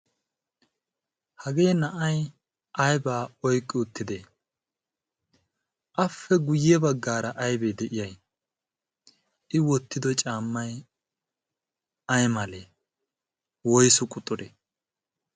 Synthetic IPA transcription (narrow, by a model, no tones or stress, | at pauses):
hɐɡe̞ːnɐʔɐj | ʔɐjbaːɔjkʼːɪʊt̪ːɪd̪eː | ʔɐfːɛɡʊjɛbɐɡːaːɾɐʔɐjbed̪ɛʔɪjɐj | ɪwɔt̪ːɪd̪ɔt͡ʃʼaːmːɐj | ɐjmɐleː | wɔjsʊkʼʊt̪ʼːɔd̪e